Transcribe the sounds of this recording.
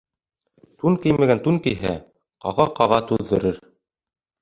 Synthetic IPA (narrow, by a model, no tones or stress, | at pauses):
t̪unkɘjmæɡænt̪uŋkɘjɦæ | qɑʁɑqɑʁɑt̪ʉðːɘ̆ɾɘɾ